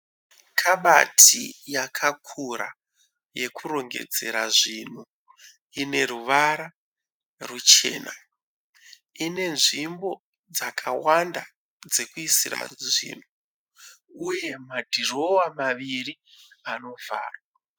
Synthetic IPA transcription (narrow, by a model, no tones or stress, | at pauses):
kʰaɓatʰijakʰakʰuɾa̰ | je̞kuɾo̞ŋɡe̞̰d͡ze̞̰ɾaʐin̤u | ine̞ɾuʋaɾa | rut͡ʃe̞̰ːna | ine̞nʐimbo | d͡zakʰawanda | d͡ze̞kuisira̰ʐḭːn̤u | uje̞madʱiro̞wamaʋiriano̞vʱa̰ːrwa